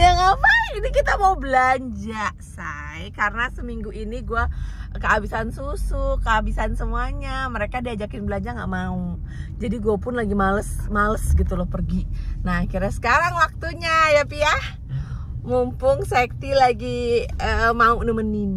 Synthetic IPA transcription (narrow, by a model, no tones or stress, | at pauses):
jaŋapainikit̪amaubəlaɲd͡ʒa | sa | jkarənasəmiŋɡuʔiniɡuakəːbisansusukəabisansəmuaɲaməɾekadiad͡ʒakɪnbəlaɲd͡ʒaŋɡa̰ʔmau | d͡ʒadiɡuapʊnlaɡimaləsmaləsɡit̪ulɔhpərɡinakiɾasə̥kaɾaŋwak̚t̪uɲajapiah | mumpʊŋsek̚t̪ilaɡiəmaunəmənːin